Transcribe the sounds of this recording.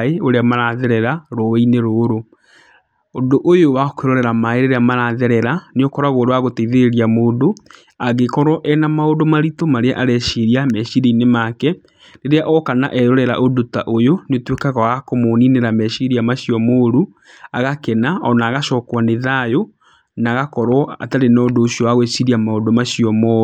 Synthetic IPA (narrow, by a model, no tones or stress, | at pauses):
eoɾeamaɾaðɛɾɛɾaɾɔineɾoːɾo | ondoʔojowakeɾɔɾɛɾamaeɾeɾeamaɾaðɛɾɛɾaneokɔɾaɣoɾowaɣoteiðeeɾiamoːndo | aɣekɔɾɔʔɛnamaodomaɾitomaɾeaʔaɾɛɕiɾiamɛɕiɾeinemakɛ | ɾeɾeaʔɔkana̰ʔɛɾɔɾɛɾa̰ʔodotaʔojoneotwekaɣaakomonineɾamɛɕiɾiamaɕiɔmoɾu | aɣakɛnaɔnaːɣaʃɔːkwaneðajo | naɣakɔɾwɔa̰taɾenɔːdoːɕiɔwaɣwesiɾiamaodomaɕiɔmɔ